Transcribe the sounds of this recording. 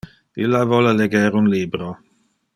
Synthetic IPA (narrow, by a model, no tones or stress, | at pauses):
ilːavɔləleɡɛɾunliːbɾo